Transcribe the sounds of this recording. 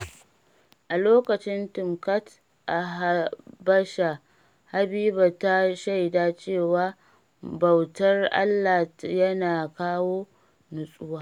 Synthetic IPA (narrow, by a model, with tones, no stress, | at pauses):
ʔa˨loː˦kɐ˨t͡ʃɪ˦ntʊ˨mkɐ˦t | ʔa˨ɦa˦bɐ˦ʃa˨ | ha˨biː˦ba˨ta˦ʃa˦jdaː˦t͡ʃeː˦˨waː˦ | bɐ˨wtɐ˦rʔa̰˦lːaː˨jɐ˦naː˨kaː˦woː˦ | nʊ˨sʼʊ˦waː˦